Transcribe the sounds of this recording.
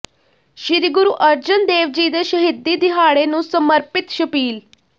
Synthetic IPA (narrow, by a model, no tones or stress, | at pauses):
ɕiɾiɡuɾuʔəɾd͡ʑənd̪eːʋd͡ʑiːd̪əɕəɦid̪ːiːd̪iɦaɭenuːsəməɾpit̪ɕəpiːl